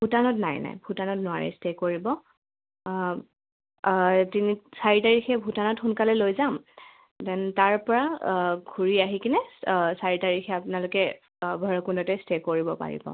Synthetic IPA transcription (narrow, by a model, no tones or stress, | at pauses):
bʱutanɔtnajna̰jbʱutanɔtnʊwaɹɛ̰stekoɹibɔ | tinisaɹitaɹixʰɛbʱutanɔtxunkalɛlojzam | dɛntaɹpɔɹaɡʱuɹiaɦikinɛsaɹitaɹixʰɛapʊnalʊkɛ | bʱɔɹɔkundɔtɛstekoɹibɔpa̰ɹḭbɔ̰